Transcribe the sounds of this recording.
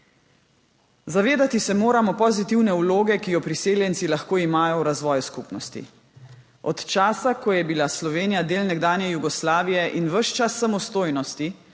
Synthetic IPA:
zaʋeːd̪at̪isɛmoːɾamɔpɔzit̪iwnɛuloːɡɛkijɔpɾiseːljɛnt̪silaxkoːimaːjɔwɾazʋɔːjuskupnɔst̪ḭ | ɔt̪t͡ʃaːsakɔjɛbilaslɔʋeːnijad̪eːlnɛɡd̪aːnjɛjuɡɔslaːʋijɛʔinʋəʃt͡ʃasːamɔst̪oːjnɔst̪i

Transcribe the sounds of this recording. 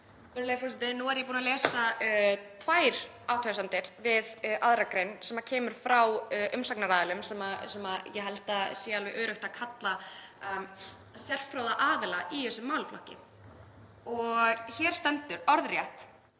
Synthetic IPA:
ɛɾʏlejsfɔsnt̪ɪnuɛɾjɛpuːnalɛːsat̪ʰvaːjɾ | aːwt̪ʰœsant̪ɪɾ̥vɪðaðɾakɾejnsɛmacʰɛːmʏɾ̥fɾawʔʏmsaknaɾaːðɪlʏmsɛmasɛmajɛɦɛlt̪asɛalvɛʔœːɾʏht̪akʰat̪la | sjɛl̥fɾowðaʔaːðɪlaʔiɛsːʏmːaːwlflɔ̰hcɪ̰ | ɔɣçɛɾ̥st̪ɛnt̪ʏɾɔɾðrjɛht̪

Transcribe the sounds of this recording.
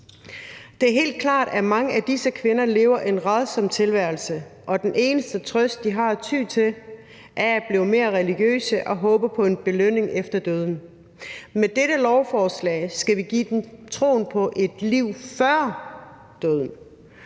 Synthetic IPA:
d̥e̝æɐɦe̝̰ːld̥̚kʰlɑ̰̈ːɾ̥æmɑ̈ŋəʔæd̥isəkʰʋe̝nɐle̝ːʊɐʔe̝nʁaðˠsɒ̽mt͡sʰe̝lʋæɐl̩səʔɒ̽d̥enʔe̝ːnəsd̥ət͡sʰʁœsd̥̚d̥iɦɑ̈t͡sʰyːt͡sʰe̝l | ʔæɐæb̥liʊme̝ːɐʁɛliɡ̥jø̰ːsəʔɒ̽ɦɔ̽ːb̥əpʰɒ̽e̝nb̥e̝løn̰e̝ŋʔefd̥ɐd̥øð̞ˠn̩ | med̥eɾəlɒʊfɒːslɛ̰ːɪsɡ̥æʋiɡ̥ḭːd̥emt͡sʰʁo̝̰ːnpʰɒ̽ʔe̝d̥liʊ̰fɶɐ | d̥øð̞ˠn̩

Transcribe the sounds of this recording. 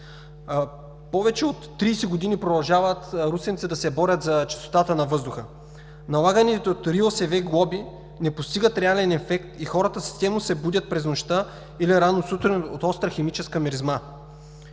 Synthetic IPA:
pɔvɛt͡ʃɛot̪ːɾiːsɛɡod̪inipɾod̪ɐlˠʒavət̪ɾusɛnt̪sid̪ɐsɛbɔɾʲət̪zɐt͡ʃɐ̥st̪o̥t̪at̪ənɐvɤzd̪ʊxə | nɐlˠaɡənɛt̪ot̪ɾiosɛvɛɡlˠɔbi | nɛpost̪iɡət̪ɾɛalɛnɛfɛkt̪ixɔɾət̪əsi̥st̪ɛmnosɛbud̪ʲət̪̚pɾɛznoʃt̪a | iliɾanosut̪ɾɛnot̪ɔst̪ɾəxɛmit͡ʃɛskəmɛɾizma

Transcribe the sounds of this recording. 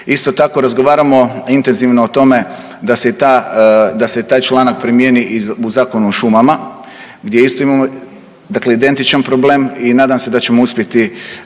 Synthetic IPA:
ist̪o̞t̪ako̞ɾazɡo̞ʋaːɾamo̞int̪e̞nziʋnoːt̪o̞me̞ | d̪aset̪ad̪aset̪aːjt͡ʃlˠaːnak̚pɾimjeːniʔiuzaːko̞nuoʃumama | ɡd̪jeist̪o̞imamo | d̪akle̞id̪e̞nt̪it͡ʃanpɾo̞ble̞ːminaːd̪amse̞d̪at͡ɕe̞mouspʲje̞t̪i

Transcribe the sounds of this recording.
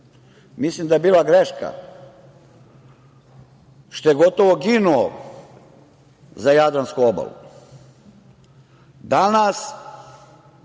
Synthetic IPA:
mislimd̪ajebiːlaɡɾeʃka̰ | ʃt̪ojeɡot̪oʋoɡinuo | zajad̪ɾanskuoba̰lṵ | d̪anas

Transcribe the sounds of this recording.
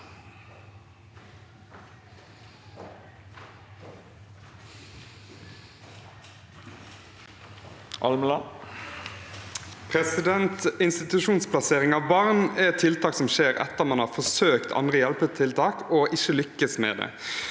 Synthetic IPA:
ʔɑ̰lməlɑ | pʰʁɛsɪd̪ɛnt̪ɪnst̪ɪt̪ʉʃuːnspʰlɑseːʁɪŋɑːʋbɑʁnɛt̪ʰɪlt̪ʰɑːksɔmʃeːʁɛ̰t̪ːəʁmɑnhɑːʁfɔsøːkt̪ʰɑ̰nd̪ʁəjɛlpət̪ʰɪlt̪ʰɑːkɔʔɪçəlʏkːəsmḛːd̪ḛː

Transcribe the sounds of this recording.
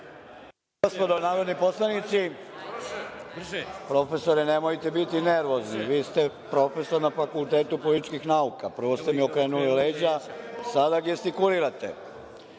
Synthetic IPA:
ɡospo̞d̪onaːɾo̞d̪nipo̞slˠanit̪si | pɾo̞fe̞so̞ɾɛne̞mojt̪ebit̪ine̞ɾʋo̞zniʋiːst̪epɾo̞fe̞so̞ɾnafakulˠt̪e̞ːt̪upo̞lit̪it͡ʃkixnaukapr̩ʋo̞st̪e̞mio̞kɾe̞ːnulile̞ːd͡ʑasad̪aɡjest̪ikuliɾat̪ḛ

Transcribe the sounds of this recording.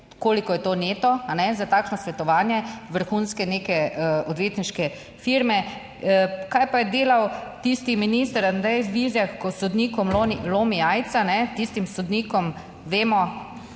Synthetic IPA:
koːlikɔjɛt̪oːneːt̪ɔanɛzat̪aːkʃnɔsʋɛt̪ɔʋaːnjɛʋəɾxuːnskɛneːkɛɔd̪ʋeːt̪niʃkɛ | fiɾmɛ | kajpajɛd̪eːlawt̪ist̪iminist̪əɾand̪ɾɛjzʋizjaxkɔsɔd̪niːkɔmlonilomiaj̪sanɛt̪ist̪imsɔd̪niːkɔm | ʋeːmɔ

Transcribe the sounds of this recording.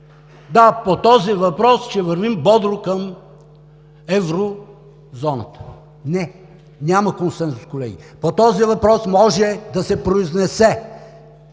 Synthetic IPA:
d̪apot̪ɔzivɐpɾɔst͡ʃɛvɐɾvimbɔd̪ɾokəm | ɛvɾo | zɔnə̰t̪ə̥ | nɛ | nʲaməkonsɛnsʊ̥skolɛɡʲḭpot̪ɔzivɐpɾɔsmɔʒɛd̪ɐsɛpɾoiznɛsɛ

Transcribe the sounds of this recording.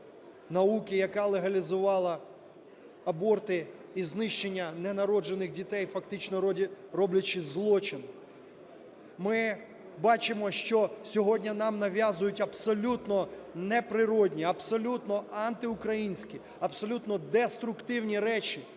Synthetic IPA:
nɐukʲɪjɐkɑlˠeɦɐlʲizʊʋɑlˠɐ | ɐbɔrt̪ɪiznɪʃt͡ʃenʲːɐnɛnɐɾɔd͡ʒenɪxdʲit̪ɛjfɐkt̪ɪt͡ʃnɔrɔblʲɐt͡ʃɪzlˠɔt͡ʃɪn | mɪ | bɑt͡ʃɪmɔʃt͡ʃɔsʲɔɦɔdʲnʲɐnɑmnɐʋʲjazʊjʊtʲɐbsɔlʲut̪nɔnɛpɾɪɾɔdʲnʲiɐbsɔlʲut̪nɔɑnt̪ɪʊkɾɐjinʲsʲkʲi | ɐbsɔlʲut̪nɔd̪ɛst̪ɾʊkt̪ɪwnʲiɾɛt͡ʃi

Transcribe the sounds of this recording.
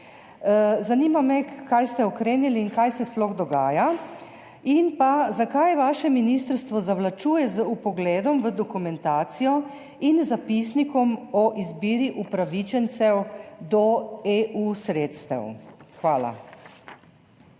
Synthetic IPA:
zanimamɛkajst̪ɛɔkɾeːniliːnkajsɛsplɔɣd̪ɔɡaːja | inpazakajʋaːʃɛminist̪əɾst̪ʋɔzaʋlat͡ʃuːjɛzupɔɡlɛːd̪ɔmʋəd̪ɔkumɛnt̪aːt̪sijɔ | inzapisnikɔmɔʔizbiːɾiʔupɾaʋit͡ʃɛnt̪sɛwd̪ɔeusɾeːt̪st̪ɛ̰wxʋaːla̰

